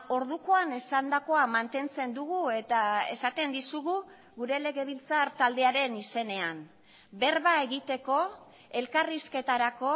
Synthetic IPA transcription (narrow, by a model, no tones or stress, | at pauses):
o̞ɾð̞ukoane̞sand̪ako̞amant̪e̞nt͡se̞nd̪uɣue̞t̪ae̞̰sat̪e̞nd̪isuɣu | ɣuɾe̞le̞ɣe̞β̞ilt͡saɾt̪ald̪e̞aɾe̞nise̞ne̞an | be̞rβae̞ɣit̪e̞ko̞ | e̞lkariske̞t̪aɾako̞